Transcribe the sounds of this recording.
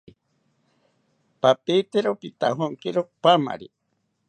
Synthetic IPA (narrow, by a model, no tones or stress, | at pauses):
papeit̪eɾopit̪aɦoŋkiɾopama̰ɾi